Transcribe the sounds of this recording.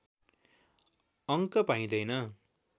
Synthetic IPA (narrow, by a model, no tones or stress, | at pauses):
ʌŋkʌpãĩd̪ʌjnʌ